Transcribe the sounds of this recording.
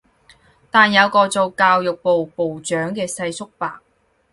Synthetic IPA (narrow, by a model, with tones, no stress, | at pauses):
t̪aː˨njɐ˨˧wkɔː˧t͡so˨˧wkaː˧wjʊ˨k̚po˨wpo˨wt͡ʃœː˨˥ŋkɛː˧sɐ˧jsʊ˥k̚paː˨k̚